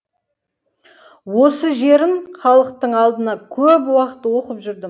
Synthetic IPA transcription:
wo̞səʒe̞ɾɪɴχɑlˠəq̚t̪əɴɑlˠd̪ənɑkʲʰɵpwɑqət̪wo̞qəpʒʏɾd̪ɪ

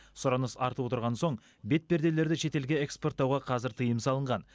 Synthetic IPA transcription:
sʊɾɑnəsɑɾt̪əwot̪əɾʁɑnso̞ɴ | be̞t̪̚be̞ɾd̪e̞le̞ɾd̪ɪʃe̞t̪e̞lɡʲe̞ekspo̞rt̪̚ːɑwʁɑqʰɑzɪɾt̪ʰəjəmsɑlˠəɴʁɑn

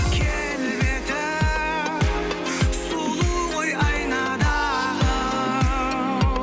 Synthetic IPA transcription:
kʲʰe | lbet̪ɪ | sulˠuwojɑjnɑd̪ɑ | lˠə

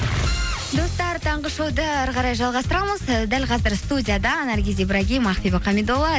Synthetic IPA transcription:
d̪o̞st̪ɑɾt̪ʰɑɴʁəʃod̪əæɾʁɑɾɑjʒɑlˠʁɑst̪əɾɑməzd̪ælʲqʰɑzəɾst̪udʲijad̪ɑnɑɾɡʲezijbɾɑɡʲijmɑχt̪ibeqʰːɑmed̪olɑ

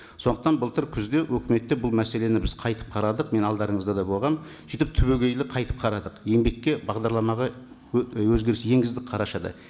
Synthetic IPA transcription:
so̞nd̪əqt̪ɑnbəlˠt̪ʰəɾkʲʰʏzd̪e̞wʔɵkʲɪme̞t̪ːe̞bʊlˠmæse̞le̞nɪbɪzqʰɑjt̪ə̥p̚qʰɑɾɑd̪əq̚me̞nɑlˠd̪ɑɾəɴəzd̪ɑd̪ɑjbo̞lˠʁɑm | sijt̪ɪp̚t̪ʰʏβeɡʲe̞jlɪqʰɑjt̪ə̥p̚qʰɑɾɑd̪əqje̞ŋbe̞kʲːe̞bɑʁd̪ɑɾlˠɑmɑʁɑ | wɵzɡʲe̞ɾɪsje̞ŋɡʲɪzd̪ɪk̚qʰɑɾɑʃɑd̪ɑ̰

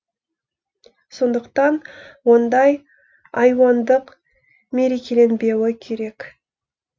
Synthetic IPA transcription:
so̞nd̪əqt̪ɑnwo̞nd̪ɑj | ɑjwɑnd̪əq | me̞ɾe̞kʲe̞le̞nbe̞wɪkʲʰe̞ɾe̞k

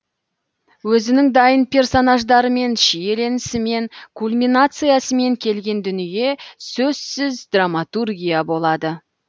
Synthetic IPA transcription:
wɵzɪnɪŋd̪ɑjənpʲʰe̞rso̞naʒd̪ɑɾəme̞nʃije̞le̞nɪsɪme̞ŋkʰulmʲinat̪sɨjasəme̞ŋkʲʰe̞lɡʲe̞nd̪ʏnije̞sɵz̥sɪzd̪ramat̪urɡʲijabo̞lˠɑd̪ə

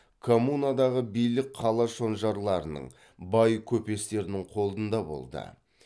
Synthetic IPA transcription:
kʰo̞munad̪ɑʁəbijlɪk̚qʰːɑlˠɑʃo̞nʒɑɾlˠɑɾənə̰ɴ | bɑjkʲʰɵpe̞st̪e̞ɾɪnɪɴqʰo̞lˠd̪ənd̪ɑbo̞̰lˠd̪ə̰

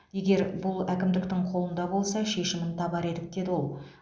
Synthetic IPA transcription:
je̞ɡʲe̞ɾbʊlˠækʲɪmd̪ɪk̚t̪ɪŋqʰo̞lˠənd̪ɑbo̞lˠsɑʃe̞ʃɪmɪnt̪ʰɑbɑɾe̞d̪ɪk̚d̪e̞d̪ɪwo̞lˠ

